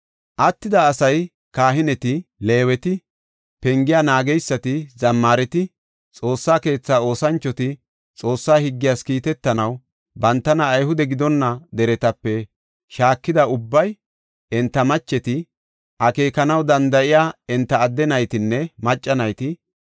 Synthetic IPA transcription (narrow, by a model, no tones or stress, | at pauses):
ʔɐt̪ːɪd̪ɐːsɐj | kaːɦɪnɛt̪ɪle̞ːwɛt̪ɪ | pɛŋɡɪjaːnaːɡɛjsːɐt̪ɪzɐmːaːɾɛt̪ɪ | t͡sʼo̞ːsːaːke̞ːt͡sːaːo̞ːsɐnt͡ʃːɔt̪ɪ | t͡sʼo̞ːsːaːhɪɡːɪjaːskiːt̪ɛt̪ːɐnɐw | bɐnt̪ːɐnɐːjhʊd̪ɛɡɪd̪ɔnːɐd̪ɛɾɛt̪ɐpːɛ | ʃaːkːɪd̪ɐʊbːɐj | ɛnt̪ːɐmɐt͡ʃːɛt̪ɪ | ʔɐke̞ːkɐnɐwd̪ɐnd̪ɐʔɪjaːɪnt̪ːɐːd̪ːɛnɐjt̪ɪnːɛmɐt͡ʃʼːɐnɐjt̪ɪ